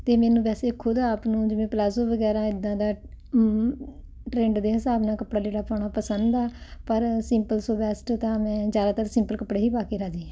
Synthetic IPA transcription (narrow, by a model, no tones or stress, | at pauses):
t̪eːmɛːnũːbɛːseːkʰːʊd̪aːpnũːd͡ʒɪʋẽːplaːzoːʋəɡɛːɾãːɪd̪ːãːd̪aː | ʈɾẽːɳɖd̪eːɦɪsaːbnaːkəpɽaːd͡ʒeːɽaːpaːɳaːpəsənd̪aːpəɾsɪmpəlsoːbɛːsʈt̪ãːmɛ̃ːd͡ʒjaːd̪aːt̪əɾsɪmpəlkəpɽeːɦiːpaːkeːɾaːd͡ʒiːɛ̃ː